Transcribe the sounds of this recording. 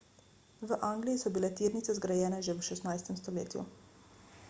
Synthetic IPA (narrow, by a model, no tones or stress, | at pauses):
ʋəʔaŋɡlijisɔbilɛt̪iːɾnit̪sɛzɡɾajɛːnɛʒɛʋʃɛsnajst̪ɛmst̪ɔlḛːt̪jṵ